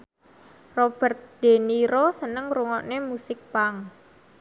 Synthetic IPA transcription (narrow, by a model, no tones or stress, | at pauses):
rob̥ɛ̤rt̪̚d̪̥e̤niɾosənəŋruŋɔʔnemusɪk̚paŋ